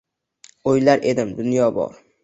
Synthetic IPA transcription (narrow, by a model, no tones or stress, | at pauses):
ojlaɾʔe̞d̪ɪmd̪ʊnjɒbɒ̰ɾ